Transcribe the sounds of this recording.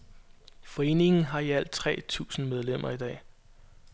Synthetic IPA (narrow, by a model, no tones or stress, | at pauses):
fɒ̽e̝̰ːne̝ŋn̩ɦɑ̈iæl̰d̥̚t͡sʰʁɛ̰ːt͡sʰṵːsn̩með̞ˠlem̰ɐid̥ɛ̰ː